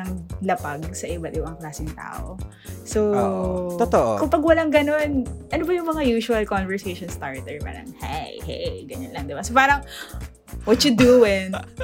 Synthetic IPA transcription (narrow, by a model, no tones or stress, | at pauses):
ɐŋlɐpaɡ̚sɐʔɪbat̪̚ʔɪbɐŋklaːsɪŋt̪a̰ːʔo̰ | sot̪ot̪oʔkʊŋpɐɡwɐlaŋɡɐno̞nʔɐnobɐjʊŋmɐŋajuːʃʊɐlkonvɛɹsejʃonst̪a̰ɹt̪ɛɹpa̰ːɾɐ̰ŋha̰jhḛjɡɐɲonlɐŋd̪ɪbasopaːɾɐŋ | wɔt̪jʊd̪uwɪŋ